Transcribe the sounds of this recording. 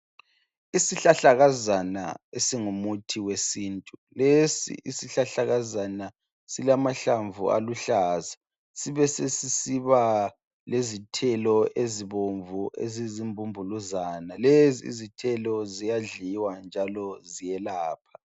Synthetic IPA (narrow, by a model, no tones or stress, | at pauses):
isiɬaɬaɣazana̰esiŋumutʰiwesiːntʼulesḭʔisiɬaɬaɣazana | silamaɬaɱvṵa̰luɬaːza | siβɛsesisiβa | lezitʰɛlɔʔeziβoɱvuʔḛzizimbʱumbʱuluzaːnalezḭːzitʰɛlɔzijaɮiwand͡ʒʱalɔzijɛlaːpʰḁ